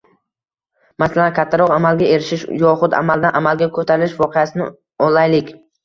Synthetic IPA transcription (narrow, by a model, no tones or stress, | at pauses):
masalankʲʰat̪ʰːaɾɒqamalɡʲae̞ɾɪʃɪʃjɒχʊd̪a̰malˠd̪aʔamalɡʲakʰɵt̪ʰaɾɪɪʃvɒqʰejasɪnɪ | ɒlˠajlɪkʲ